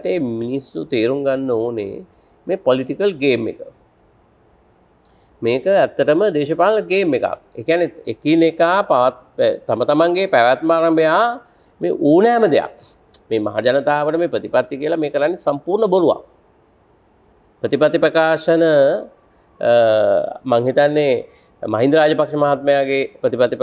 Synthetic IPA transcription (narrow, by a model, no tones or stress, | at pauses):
ʈeːminisːut̪eːɾuŋɡanːəoːnḛ | meːpoliʈikəlɡeːmːḛkə | meːkəæt̪ːəʈəməd̪eːʃəpaːlənəɡeːmːeka̰k̚ḛːkjanːeekinekaːpaʋat̪̚pt̪amət̪amaŋɡepæʋat̪maːɾambəjaː | mḛːʔuːnæːməd̪eja̰k̚ | meːma̰ɦa̰d͡ʒanət̪aːʋəʈəmeːpɾət̪ipat̪ːikiəlameːkəɾanːisampuːɾɳəboɾuʋa̰k | pɾət̪ipat̪ːipɾəkaːʂənə | maŋɦit̪anːe | ma̰ɦind̪əɾaːd͡ʒəpakʂəmaɦat̪̚məjaɡepɾət̪ipat̪i